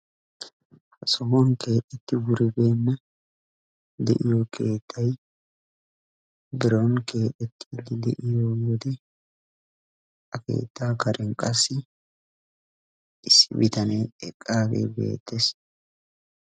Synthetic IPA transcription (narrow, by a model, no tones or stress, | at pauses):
hɐsɔmɔnke̞ːt̪ʼːɛt̪ːɪwʊɾɪbeːnːɐ | d̪ɛ̰ʔɪjɔkʰe̞ːt̪ʰːɐj | bɪɾonke̞ːt̪ʼːɛt̪ʰːɪd̪ɪd̪ɛ̰ʔɪjowɔd̪ɛ | ʔɐke̞̰ːt̪ːaːkɐɾʔɛnkʼɐsːɪ | ʔɪsːɪ̰bɪt̪ɐneɛkʼːaːɡḛbe̞̰ːt̪ʰːes